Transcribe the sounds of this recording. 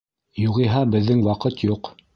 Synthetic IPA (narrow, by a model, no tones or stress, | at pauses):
juʁiɦɑbɘ̆ðːɘŋwɑqɤt̪juq